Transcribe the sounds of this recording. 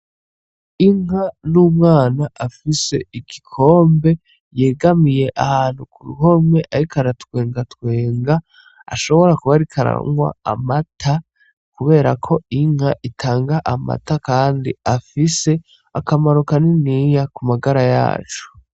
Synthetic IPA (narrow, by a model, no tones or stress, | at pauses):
iŋ̥anuːmŋaːnaʔafise̞̰iɡikʰo̞ːmbe̞ | je̞ːɡamije̞ʔahaːn̥hukuɾṵɦo̞mwe̞ʔaɾikʰaɾatwe̞ːŋɡatwe̞ːŋɡa | a̰ʃo̞βo̞ɾakuβaɾikʰaɾa̰ŋwa̰a̰matʰa | kuβe̞ːɾakʰo̞iŋ̥haʔitʰaːŋɡaʔama̰takaːndiafise̞ | akamaɾukaninijakumaɡaɾaja̰ːt͡ʃu̥